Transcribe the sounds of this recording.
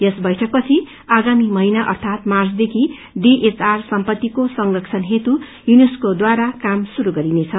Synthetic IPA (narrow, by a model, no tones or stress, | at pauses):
jʌsbʌjʈʰʌk̚pʌt͡sʰi | aɡamimʌinaʔʌ̰rt̪ʰat̪mart͡sd̪ekʰi | ɖiʔet͡sarsʌmpʌt̪ːikosʌŋrʌkt͡sʰʌnɦet̪u | juneskod̪waɾakamsuɾuɡʌɾinet͡sʰʌ